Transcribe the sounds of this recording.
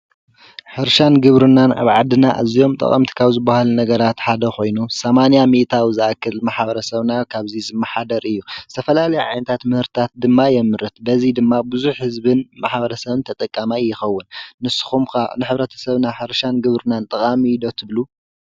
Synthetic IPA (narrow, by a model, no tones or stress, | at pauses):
ħɨɾʃanɡɨβɾɨnːana̰βʕad̪ɨnaʔa̰zijo̞mt̪ʼɐ̰χʼɐ̰mt̪ʰi̥kʰaβzɨbːahalunɐɡɐɾat̪ħad̪ɐxo̞jnusɐmanijamit̪ʰawizɨakʰːɨlmaħbɐɾɐsɐβnakʰaβzizɨmːɐħad̪ɐɾɨjːuzɨt̪ʰɐfɐlalɐjʕa̰jnɐt̪ʰat̪mɨhɨɾt̪t̪ʰat̪̚d̪ɨmːajɛmɨɾɨt̪̚bɐzid̪ɨmːabɨzuħhɨzbɨnmaħbɐɾɐsɐβɨnt̪ʰɐt̪ʼɐkʼːamajːɪxɐwːʊnːɨsːɨ̥xumkanɨħɨβɾɐt̪ʰɐ̥sɐβnaħɨɾʃanɡɨβɾɨnant̪ʼɐχʼamilo̞t̪ʰɨβlu